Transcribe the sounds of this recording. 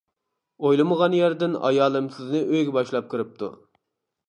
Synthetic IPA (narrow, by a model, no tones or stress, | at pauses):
ojlˠɨməʁɑnjæɾd̪ɪnɑ̰jɑːlˠɨmsɪznɪʔøjɡʲɛbɑʃlˠɑp̚kʰɨɾɨp̚t̪ʰṵ